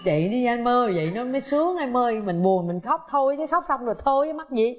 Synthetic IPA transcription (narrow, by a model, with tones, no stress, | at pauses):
və̰˧˨jɗi˧zaː˧nməː˧˨˩və̰˧˨jnɔ˨˦mɔ˨˦jsɨ˨˦əŋaː˧jməː˧jmï˨˩ŋ̟ɓu˨˩ənmï˨˩ŋ̟xə˦˥wk͡p̚t̪ʰo˧jka˨˦xk͡p̚sa˧wŋ͡mzo˨˩t̪ʰo˧jə˨˦ma˦˥t̚zḭ˧˨